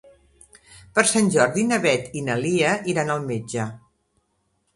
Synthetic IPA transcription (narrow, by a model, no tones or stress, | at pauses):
pəɾsanʲʒɔɾðinəβɛt̪inəliəʔiɾanəlˠmed͡ʒə